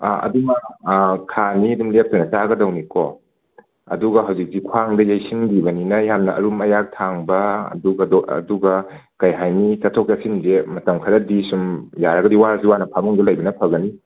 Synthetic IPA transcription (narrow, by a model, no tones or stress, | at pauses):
ɐ̰duŋɐkʰaniɐduŋlep̚tɐnɐt͡ʃaɡɐdɐwnikɔ | ɐ̰duɡɐɦawzik̚tikʰwaŋdɐjajsʰiŋɡibɐninɐjhamnɐʔɐ̰ɾumɐjak̚tʰaŋbɐɐ̰duɡɐdɔ̰duɡɐ | kɐjɦajnit͡ʃɐtʰokjasinzemɐtɐmkʰɐɾɐdisumjaɾɐɡɐdiwaɾsiwanɐpʰamuŋdɐlɐjbɐnɐpʰɐɡɐni